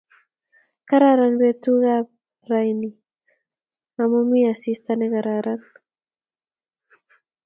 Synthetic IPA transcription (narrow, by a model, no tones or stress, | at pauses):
kaɾaɾanbet̪uɣa | ɾajni | amomiasist̪anekaɾaɾan